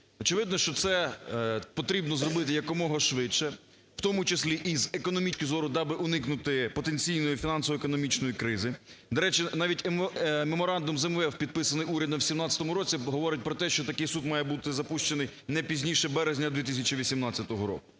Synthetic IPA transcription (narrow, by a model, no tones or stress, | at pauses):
ɔt͡ʃɪʋɪd̪nɔʃt͡ʃɔt̪sɛ | pɔt̪ɾʲibnɔzrɔbɪt̪ɪjɐkɔmɔɦɔʃʋɪt͡ʃʃɛ | w̥t̪ɔmʊt͡ʃɪsʲlʲiʔizekɔnɔmʲit͡ʃʲkɪzɔɾʊd̪ɑbɪʔʊnɪknʊt̪ɪpɔt̪enʲt͡sʲijnɔjʊfʲinɑnsɔʋɔekɔnɔmʲit͡ʃnɔjikɾɪzɪd̪ɐɾɛt͡ʃɪnɑʋʲitʲmemɔɾɑnd̪ʊmzɛmʋɛwpʲid̪̚pɪsɐnɪjuɾʲɐd̪nɐwsʲimnɑtʲt͡sʲːɐt̪ɔmʊɾɔt͡sʲiɦɔʋɔɾɪt̚ʲpɾɔt̪ɛʃt͡ʃɔt̪ɐkɪjsud̪mɑjɛbut̪ɪzɐpuʃt͡ʃenɪj | nɛpʲizʲnʲiʃɛbɛɾezʲnʲɐd̪ʲʋʲit̪ɪs̬ʲɐt͡ʃiʋʲisʲimnɑt͡sʲɐt̪ɔɦɔɾɔ̰kʊ